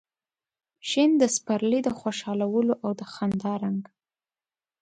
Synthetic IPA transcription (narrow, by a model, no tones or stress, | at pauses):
ʃind̪əspaɾlid̪əxoʃɑlawəloʔawd̪əxand̪ɑɾaŋɡ